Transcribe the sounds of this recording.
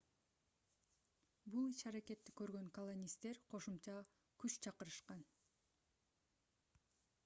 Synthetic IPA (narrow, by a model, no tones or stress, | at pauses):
bulˠit͡ʃɑɾake̞t̪ːi̥kø̞ɾɡø̞ŋkɐlˠonʲist̪e̞ɾqʰo̞ʃumt͡ʃɑ | kyt͡ʃt͡ʃʰɑqɯɾɯʃqɑn